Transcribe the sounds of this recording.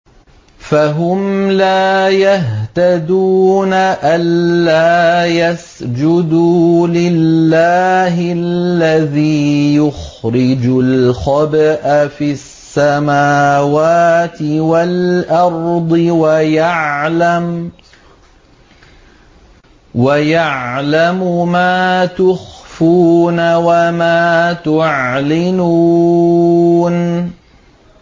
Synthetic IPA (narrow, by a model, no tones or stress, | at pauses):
faɦʊmlaːjaɦt̪ad̪uːnaʔanːaːjas | d͡ʒʊd̪uːlɪlːaːɦɪlːaðiːjʊxɾɪd͡ʒʊlxɑbaʔafisːamaːwaːt̪ɪwalʔɑɾˤd̪ˤɨwajaʕlam | wajaʕlamʊmaːt̪ʊxfuːnawamaːt̪ʊʕlɪnuː | n